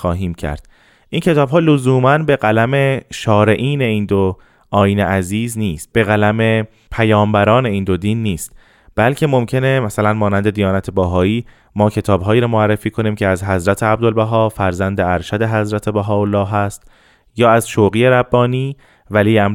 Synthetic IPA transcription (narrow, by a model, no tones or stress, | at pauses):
xɒːɦiːmcʰæ̰ɾd̪̥ | ʔiːncʰe̞t̪ʰɒːbɦɒːlozuːmænbe̞ɣælæme̞ʃɒːɾe̞ʔiːne̞iːnd̪o | ʔɒːjiːneʔæziːzniːst̪̚b̥e̞ɣælæme̞ | pʰæjɒːmbæɾɒːne̞iːnd̪o̞d̪iːnːiːst̪ | b̥ælcʰe̞mo̞mcʰe̞nemæsælænmɒːnænd̪e̞d̪ijɒːnæt̪ʰebæɦɒːiː | mɒːcʰe̞t̪ʰɒːbɦɒːjiːɾɒːmoærːefiːkʰo̞niːmcʰeæzɦæzɾæt̪ʰeæb̚d̪olbæɦɒːfæɾzænd̪eæɾʃæd̪e̞ɦæzɾæt̪ʰebæɦɒːolːɒːɦæst̪ | jɒːæzʃoɣiːeɾæbːɒːniː | væliːæm